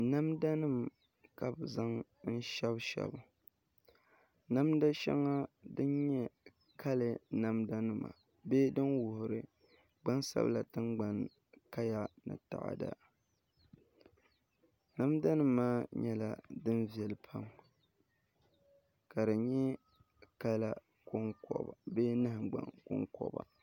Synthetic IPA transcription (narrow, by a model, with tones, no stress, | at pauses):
na˦mda˦nɨ˦˨m | ka˨bza˦ŋ | n̩˦ʃɛ˦bʃɛ̰˨bʊ˨ | na˦mda˦ʃɛ̰˦ŋːa˦dɨ˦nɲɛ˦ | kʰa˦lɨ˨na˦mda˦nɨ˦ma̰˨ | beː˦dɨ˦nwʊ˨hʊ˨ɾɨ˨ | ɡ͡ba˦nsa̰˦bla˨tɨ˦nɡ͡ba˦n | ka˦ja˨nɨ̰˨ta̰˨ʔa̰˨da̰˨ | na˦mda˦nɨː˦aː˦ɲɛ˦la̰˨dɨ˦nvi˨ɛ˨lɨ˨pʰa˦m | ka˨dɨ˨ɲɛ˦ | ka˦la˦˨ | ko˦ŋkɔ̰˨ba˨beː˦nɨ˦hɨ˨ɡ͡ba̰˨ŋko̰˦ŋkɔ̰˨ba̰˨